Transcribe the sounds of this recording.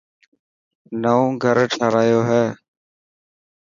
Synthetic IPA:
nəõːɡʱəɾʈʰaːɾaːjoːɦɛː

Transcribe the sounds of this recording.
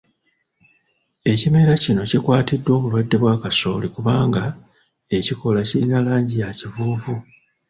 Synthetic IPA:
e̞cime̞ɾacino̞cikwaːtidːwo̞ːβulwadːe̞βwaːkaso̞ːlikuβaːŋɡa | e̞ciko̞lacilinalaːɲɟijacivuːvu

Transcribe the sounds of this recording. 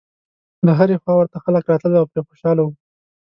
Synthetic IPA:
ləɦaɾexwɑwəɾt̪axaləkɾɑt̪ləld̪aawpɾexo̥ʃɑlawu

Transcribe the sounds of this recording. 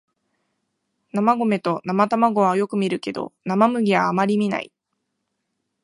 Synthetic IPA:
namaɡo̞me̞t̪o̞namat̪amaɡo̞βajo̞kɯ̟mʲiɾɯ̟ke̞d̪o̞̰namamɯ̟ɡʲiβaːmaɾʲimʲina̰ḭ

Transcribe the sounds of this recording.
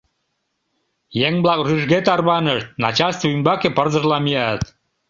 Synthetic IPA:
jeŋblɑkryʒɣet̪ɑrβɑnəʃt̪̚nɑt͡ɕɑlst̪voymbɑkepərzə̆ʒlɑmiɑt̪

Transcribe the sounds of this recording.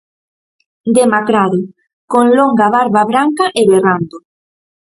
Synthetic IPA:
d̪emakɾaðʊ | koŋloŋɡaβaɾβaβɾaŋkaʔeβerand̪o

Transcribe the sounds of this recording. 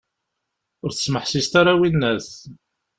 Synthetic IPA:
ʊɾθə̥sməħsist̪aɾawinːæθ

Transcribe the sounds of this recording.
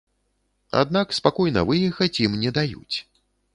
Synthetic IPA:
a̰d̪̚nakspakɔjnɐ̰vɨjɛxɐt͡sʲjimnʲɛd̪ajṵt͡sʲ

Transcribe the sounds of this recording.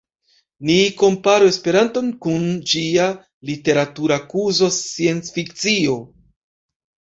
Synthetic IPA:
niko̞mpaɾoe̞spe̞ɾanto̞nkund͡ʒia | lite̞ɾatuɾakuzo̞sie̞nt͡sfikt͡sio̞

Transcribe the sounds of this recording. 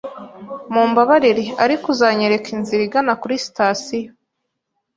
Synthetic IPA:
muːmbaβaɾiɾiaɾikuzaɲeɾe̞kinziɾiɡanakuɾisi̥taːsijo

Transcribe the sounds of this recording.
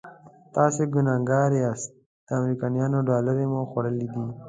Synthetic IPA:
t̪ɑːseɡʊnɑːŋɡɑːɾeast̪ | d̪̥əamɾikɑnjɑːnoɖɑːləɾemoxwaɽəlid̪i

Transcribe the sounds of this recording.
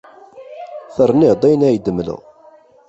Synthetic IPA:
θərˤːniʁd̪ˤæjnæjəd̪əmlə̰ʁ

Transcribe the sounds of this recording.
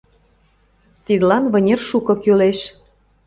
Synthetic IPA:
t̪id̪lɑnβɤ̆nʲerʃukɤ̆kyleʃ

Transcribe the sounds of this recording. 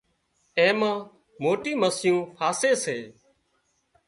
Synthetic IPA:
ẽːmãː | moːʈiːməsjũːpʰaːseːseː

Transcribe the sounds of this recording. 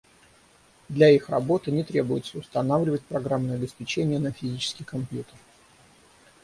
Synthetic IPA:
d̪lʲɐixrɐbo̞t̪ɨnʲɪt̪ɾʲe̞bʊjɪt̪səʊst̪ɐnavlʲɪvət̚ʲpɾɐɡɾamnɨjɐbʲɪspʲɪt͡ɕenʲɪjənəfʲɪzʲit͡ɕɪ̥skʲɪjkɐmpjut̪ər

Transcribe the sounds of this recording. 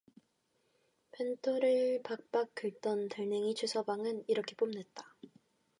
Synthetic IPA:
pʰentʰoɾɯɭpak̚p͈ak̚k͈ɯɭt͈ʌntaɭneŋit͡ɕʰusʰʌbaŋɯniɾʌkʰe̞p͈omne̞t̚t͈ḁ

